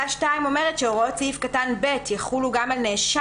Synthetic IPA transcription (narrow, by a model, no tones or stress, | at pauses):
aʃtaimo̞me̞ʁetʃeoʁott͡siifkatanbe̞tjeχuluɡamalneːʃa